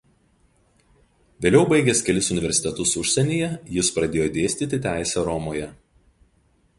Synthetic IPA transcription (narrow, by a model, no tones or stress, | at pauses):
ʋʲeːlʲɛʊbɐɪɡʲeːskʲɛlʲɪsʊnʲɪʋʲɛɾʲsʲɪt̪ʲɛt̪ʊsʊʃʲsʲɛnʲiːjɛjɪspɾɐd̪ʲeːjoːd̪ʲeːsʲt̪ʲit̪ʲɪt̪ʲæˑɪsʲɛɾɔmoːjɛ